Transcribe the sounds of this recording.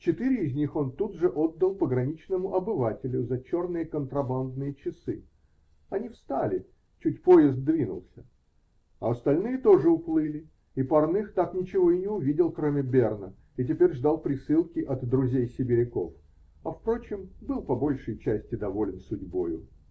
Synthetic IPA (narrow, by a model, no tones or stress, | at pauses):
t͡ɕɪt̪ɨɾʲɪːzʲnʲixo̞nt̪ud̪ʐɨʔo̞d̪ːəlˠpəɡɾɐnʲit͡ɕnəmʊʔɐbɨvatʲɪlʲʊzɐt͡ɕo̞rnɨjəkənt̪ɾɐband̪nɨjət͡ɕɪsɨ | ɐnʲifst̪alʲɪ | t͡ɕutʲpo̞jɪzd̪̚d̪vʲinʊ̰lˠsʲə | ɐɐst̪ɐlʲnɨjət̪o̞ʐɨʊplˠɨlʲɪ | ipɐrnɨxt̪aknʲɪt͡ɕɪvo̞ɪnʲɪʊvʲidʲɪlˠkɾomʲɪbʲernə | it̬ʲɪpʲeɾʲʐd̪alˠpɾʲɪsɨlˠkʲɪʔɐt̪ːɾʊzʲejsʲɪbʲɪɾʲɪko̞̰f | ɐfpɾo̞t͡ɕɪmbɨlˠpɐbo̞lʲʂəjt͡ɕæsʲtʲɪd̪ɐvo̞lʲɪnsʊdʲbo̞̰jʊ̰